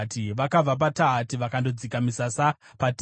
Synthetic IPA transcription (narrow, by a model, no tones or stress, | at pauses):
tiʋakab͡vap̬ataɦatiʋakando̞d͡zikamisasapat